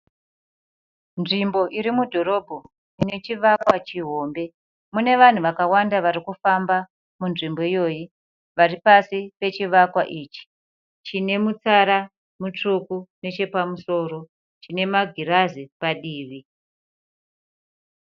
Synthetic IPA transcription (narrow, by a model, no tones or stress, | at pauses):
nʐimbo̞ʔiɾimudʱo̞ɾo̞bʱo | ine̞t͡ʃiʋakwat͡ʃiɦo̞ːmbe̞ | mune̞ʋan̤uʋakawandaʋaɾikufamba | munʐimbo̞ijo̞ːji | ʋaripasipe̞t͡ʃiʋakwaʔit͡ʃi̥ | t͡ʃine̞mut͡saɾa | mut͡ʂukune̞t͡ʃe̞pamuso̞ːro̞ | t͡ʃine̞maɡʱiɾazipaɗiːʋi